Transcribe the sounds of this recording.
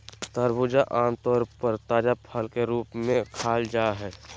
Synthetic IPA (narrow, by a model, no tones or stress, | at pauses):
t̪əɾbʊd͡ʒaʔãːnt̪ɔːɾpəɾt̪aːd͡ʒapʰəlkeɾuːpmẽkʰaːld͡ʒaːɦɛː